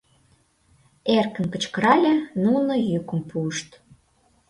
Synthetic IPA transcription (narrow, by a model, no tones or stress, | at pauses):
erkə̆nkə̆t͡ɕkə̆ɾɑlʲenunŏjykə̆mpuəʃt̪